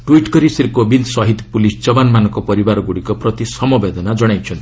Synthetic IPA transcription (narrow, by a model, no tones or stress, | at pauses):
ʈwiʈkɔɾisiɾkobild̪sɔɦit̪pulisd͡ʒɔbanmanɔkɔpɔɾibaɾɔɡuɽikɔpɾʌt̪isʌmɔbed̪ɔnad͡ʒɔɽ̃ajt͡ʃʰʌnt̪i